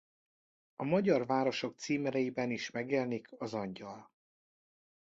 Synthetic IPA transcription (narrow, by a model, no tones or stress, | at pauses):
ɒmɒɟɒrvaːɾo̞ʃo̞k̚t̪siːmɛɾɛjibɛniʃmɛɡjɛlnikʰɒzɒɲɟɒl